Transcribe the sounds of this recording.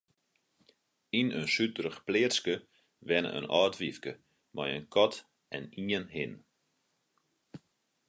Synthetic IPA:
inənsytəɾəxplɪərskə | ʋɛnə̰ʔə̰nɔːtʋifkə | majə̰nkʰɔt | ɛniənɦɪn

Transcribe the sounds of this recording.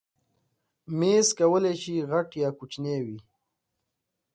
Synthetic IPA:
meskawəleʃiɣaʈjɑːkut͡ʃnewi

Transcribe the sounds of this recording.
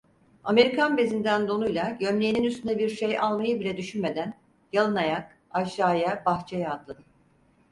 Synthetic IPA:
ame̞ɾikʰanbe̞zind̪ænd̪o̞nujlˠaɟømlʲejininyst̪ʰynd̪ɛbiɾʃejalˠmajɯbilʲɛd̪yʃynme̞d̪æn | jalˠɯnajak | aʃaːjabaxt͡ʃʰɛjaːt̪lˠad̪ɯ

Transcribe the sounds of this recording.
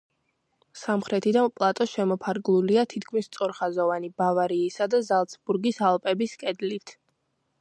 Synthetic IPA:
samχɾɛt̪ʰid̪anpʼlˠat̪ʼɔʃɛmɔpʰaɾɡlˠuliat̪ʰit̪kʰmist̪sʼɔɾχazɔvanibavaɾiːsad̪azalˠt̪sʰbuɾɡisalˠpʼɛbiskʼɛd̪lit̪ʰ

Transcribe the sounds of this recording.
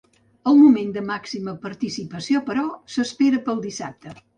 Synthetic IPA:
əlˠmumend̪əmaksiməpəɾt̪isipəsiopəɾɔsəspeɾəpəlˠd̪isa̰p̚t̪ə

